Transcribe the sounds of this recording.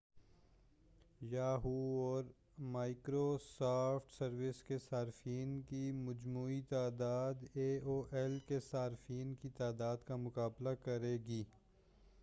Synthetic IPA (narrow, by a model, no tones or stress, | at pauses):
jaːɦuɔːɾ | maːɪkɾosaːfʈsɐɾʋɪskesaːɾɪfiːnkimɐd͡ʒmuːit̪aːd̪aːd̪eːoːʔɛlkesaːɾɪfiːnkit̪aːd̪aːd̪kamʊkaːblakɐɾeːɡiː